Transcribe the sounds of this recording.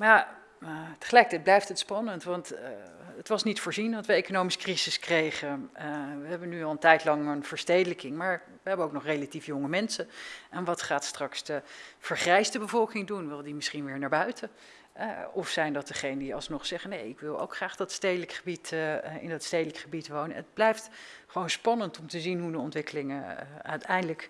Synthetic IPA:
mja | təχəlɛjkətɛjt̚blɛjftətspɑnəntʋɑntətʋɑsnitfʊːɹzinʋɑtʋəejkonowmisə̥kriz̥ɪskrejχəʋəɦɛbənyɑlˠəntɛjtlɑŋənv̥əɹstejdələkɪŋmaːɹ | ʋəɦɛbənowk̚nɔχrejlatifjoŋəmɛnsənʔɛnʋɑtχaːtstrɑksdəv̥əɹχrɛjsdəbəvɔlˠkɪŋdunʋɪlˠdimɪsχinʋɪːɹnaːɹbœɥtʰə | ɔfsɛjndɑt̚dəχejnədiɑ̰lˠsnɔχsɛχənejɪkʋɪlˠo̰wkχraːχd̥ɑtstejdələkχəbitɪ̰ndɑtstejdələkχəbitʋownə̰əd̚blɛjft | χəʋownspɑnəntɔmtəzinɦudəɔntʋɪkəlɪŋəœ̰ɥtɛjndələk

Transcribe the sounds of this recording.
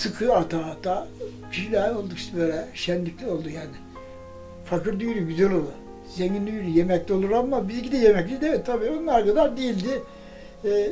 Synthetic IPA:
sɯkʰɯat̪ʰaːat̪ʰa | cʰiʃilɛːo̞lˠd̪ukst̪bøːlʲɛʃɛnlʲiclʲɛo̞lˠd̪ujaːnɪ | fakɯɾd̪yjɾyɡyzɛlo̞lˠu | zeɲind̪yjɾyjemɛclʲio̞lˠuɾammːabizcid̪ɛjemɛclʲid̪evɛt̪ʰːabiːonunːˠaɾkad̪aɾd̪ejilʲd̪ɪː

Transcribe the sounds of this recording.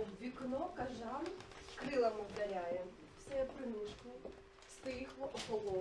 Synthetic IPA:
ʋʲiknɔkɐʒɑmskɾɪlˠɐmɔwd̪ɐlʲajɛ | wsɛjɛpɾɪnuʃkʊ | st̪ɪxlɔʔɔpɔlˠɔ

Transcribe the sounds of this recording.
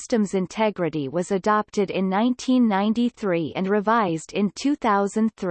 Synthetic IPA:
stɨ̃mzɨ̃ntʰɛɡɹɨɾiwʌzɨdɑp̚tɨɾɪ̃nːãɪ̃ntʰĩnːãɪ̃ntiθɹiɨ̰̃nɹɨvaɪzdɪ̃ntʰʉθaʊzɨ̃nθɹ

